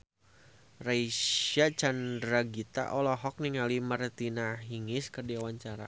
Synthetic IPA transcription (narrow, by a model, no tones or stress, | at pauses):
raiat͡ʃandɾaɡit̪a̰ʔɔlɔɦɔk̚niŋalimərt̪inaɦiŋɪskərdiawaɲt͡ʃaɾa̰